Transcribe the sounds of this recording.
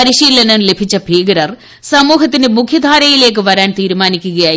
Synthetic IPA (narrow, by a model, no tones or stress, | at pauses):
ɐɾiɕiːlɐnɐle̞bʱit͡ɕːɐbʱiːɡɐɾɐr | sɐmuːɦɐt̪̬ːinɨmukʰjɐd̪ʱaːɾɐjile̞ːk̬ːɨʋɐɾaːnt̪iːɾumaːnikʲːuɣɐjaː